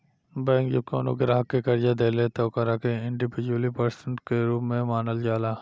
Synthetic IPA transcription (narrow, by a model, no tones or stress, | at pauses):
bɛ̃ːŋkjʊko̰ːno̰keɾaɦəkːekɐɾd͡ʒad̪eːlet̪ɔːkaɾaːkeɪ̃ɳɖɪbɪd͡ʒwəlipəɾsənʈkeɾuːpmẽmaːnəld͡ʒaːlaː